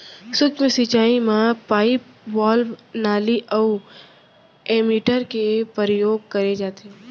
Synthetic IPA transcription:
sʊkt͡ʃmẽsit͡ʃaːimãpaːip | bɔːlnaːliʔəu | eːmiːʈəɾkepəɾjoːɡ̚kɐɾed͡ʒaːt̪eɦɛ

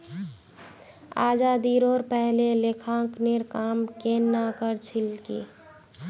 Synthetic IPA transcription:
a̰ːd͡ʒad̪iɾoːɾpɛɦlelekʰãkneɾkaːmkenːakəɾt͡ʃʰilkḭ

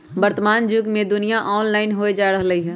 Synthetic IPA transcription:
bəɾt̪əmaːnd͡ʒuɡmẽd̪ʊnijaʔɔːnlaːɪnɦoed͡ʒaːɾəɦləɦiɦɛː

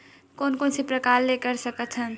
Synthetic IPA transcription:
koːnkoːnsepɾəkaːɾlekəɾsəkət̪ʰə̃n

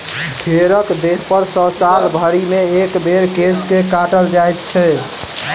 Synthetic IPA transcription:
bʰʱeɾəkd̪eɦpəɾsə̃saɾbʱəɾimeːkbeɾkeskekaʈəld͡ʒajt̪t͡ʃʰɛ

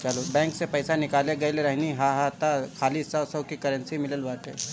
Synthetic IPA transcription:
t͡ʃəlobɛ̃ːŋksepɐjsanɪkaːleɡɐjlɾɐɦniɦaɦat̪akʰaːlisɐʋsɐwkikɐɾə̃nsimɪləlʋaːt̪ɦḛː

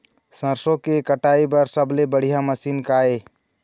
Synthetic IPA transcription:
sə̃ɾsõkekəʈaibəɾsəblebəɽ̤ijaməsiːnkae

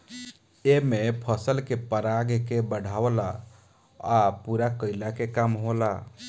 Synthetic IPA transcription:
emepʰəsəlkepəɾaɡkebəɽ̤ʱawla | apuɾakəɪlakekamɦola

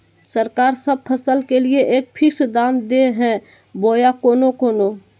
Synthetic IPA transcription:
səɾkaːɾsəb̚pʰəsəlkelieʔeːk̚pʰɪksd̪aːmd̪eɦɛ̃ | boːjakoːnokoːno

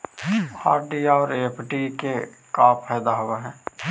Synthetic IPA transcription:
aːɾɖiaɔːɾepʰʈikekaːpʰɛːd̪aɦoaɦɛ̃ː

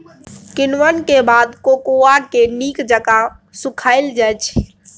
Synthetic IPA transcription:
kɪnʋənkebad̪kokoakenikd͡ʒəkasukʰaɪld͡ʒajt͡ʃʰ

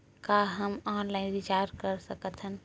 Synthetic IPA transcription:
kaɦəmɔːnlaɪnʋit͡ʃaːɾkəɾsəkət̪ʰɦən

